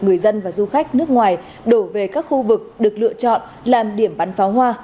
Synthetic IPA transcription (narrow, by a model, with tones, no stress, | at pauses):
ŋɨ˨˩əjzə˧nvaː˨˩zu˧xa˦˥jk̟̚nɨ˦˥ək̚ŋwaː˨˩j | ɗo˧˩ve˨˩kaː˦˥k̚xu˧vɨ˨˩k̚ɗɨ˨˩ək̚lɨ̰˧˨ət͡ɕɔ̰˧˨n | laː˨˩mɗi˧˩əmɓa˨˦nfaː˨˦wɦwaː˧